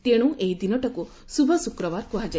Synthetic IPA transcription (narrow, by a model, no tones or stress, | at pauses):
t̪eɽ̃ũʔeɦid̪inɔʈɔku | subʱɔsukɾɔbaɾkuɦad͡ʒa